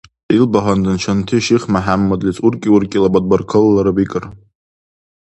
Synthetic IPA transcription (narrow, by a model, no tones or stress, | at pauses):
ilbaɦandɨnt͡ʃʷʰantʰiʃiχmaħamːadlʲit͡sʼurkʲʼiurkʲʼilabad̚barkʰɨlːaɾabikʼɨr